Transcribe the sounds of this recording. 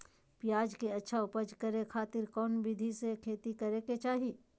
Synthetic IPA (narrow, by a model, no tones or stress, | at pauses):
pɪjaːd͡ʒkeɐtːʃʰaʊpəd͡ʒkɐɾekʰaːt̪ɪɾkɔːnbɪd̪ʱisekʰeːt̪ikɐɾeket͡ʃaːɦi